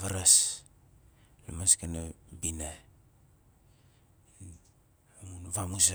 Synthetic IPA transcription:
βaɾas | lamaskanabina | munβamusa

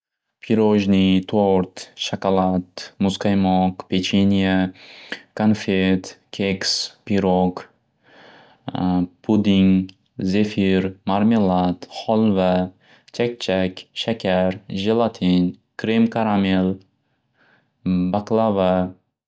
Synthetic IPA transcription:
pʰiɾoʒnit̪ʰoɾt̪ʃakalˠat̪mʊzqʰajmɔqpʰet͡ʃʰenʲija | kʰanfet̪kʲʰekspiɾok | pʰud̪iŋ | zefiɾmaɾmelˠat̪χɔlˠva | t͡ʃʰak̚ʲt͡ʃʰakʲʃakʲʰaɾʒelˠat̪ʰinkʰɾemkʰaɾamelˠ | baklˠava

